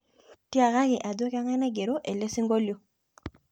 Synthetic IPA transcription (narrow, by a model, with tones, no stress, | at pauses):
ti˦a˨ɣa˦kɪ˨ʔa˨do˦ka˦ŋɛ˦nɛ˦ɡe˨ɾo˦ʔe˨le˦si˦ŋɡo˦ljo˦